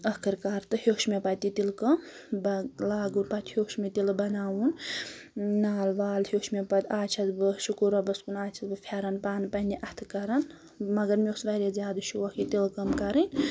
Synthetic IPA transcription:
ɐkʰɨɾkaɾt̪ɨhoːʃmepɐt̪it̪ilkɐmbɐlaːɡunpɐt̪ʲhʲoːʃmet̪ilbɐnaːwun | naːlʋaːlhjoːʃmepɐt̪ʲaːt͡ʃʰɐzbɨʃukuɾɐbɐskunaːt͡ʃʰɐzbɨpʰʲeɾɐnpaːnpɐnʲiʔɐt̪ʰɨkɐɾɐn | mɐɡɐɾmiosʋɐɾezʲjaːd̪ɨʃʰuʋɐkit̪ilkɐmkɐɾɐn

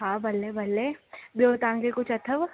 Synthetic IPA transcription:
ɦaːbɐlːebɐlːebjoːt̪ãːŋɡekʊt͡ʃɐt̪ʰəʋ

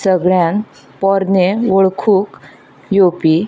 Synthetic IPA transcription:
səɡɭjan | pɔɾneʋəɭkʰuːk | jopi

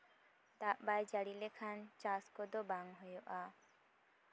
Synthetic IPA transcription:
d̪aʔbajd͡ʒaɽilekʰant͡ʃaskɔd̪ɔbaŋɦɔjɔʔa

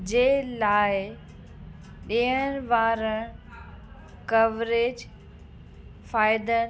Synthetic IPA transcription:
d͡ʑeːlaːɪ | ɗiəñʋaːɾəɽ | kɐʋɾeːd͡ʑ | faːɪd̪ən

